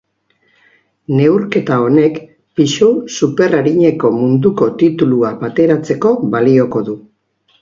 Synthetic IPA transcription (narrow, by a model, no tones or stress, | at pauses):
ne̞wɾke̞t̪ao̞ne̞k | piʃusupe̞raɾiɲe̞ko̞mund̪uko̞t̪it̪uluaβat̪e̞ɾat͡se̞ko̞βalio̞ko̞ðu